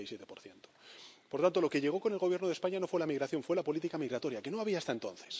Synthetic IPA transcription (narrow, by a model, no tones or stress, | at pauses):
isje̞t̪epo̞ɾθjent̪o̥poɾt̪ant̪o̞lo̞keʎe̞ɣ̞o̞ko̞ne̞lɣoβje̞ɾnoð̞e̞spaɲano̞fwe̞lamiɣɾaθjo̞ɱfwe̞lapo̞lit̪ikamiɣɾat̪o̞ɾjake̞no̞aβ̞iaːst̪ae̞nt̪o̞nθe̥s